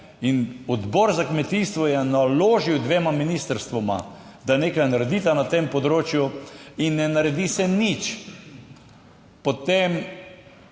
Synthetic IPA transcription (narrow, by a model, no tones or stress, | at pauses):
inɔd̪bɔɾzakmɛt̪ist̪ʋɔjɛnaloːʒiwd̪ʋeːmaminist̪əɾst̪ʋɔma̰ | d̪aneːkajnaɾɛd̪iːt̪anat̪empɔd̪ɾoːt͡ʃjuinːɛnaɾɛd̪isɛnit͡ʃ | pot̪em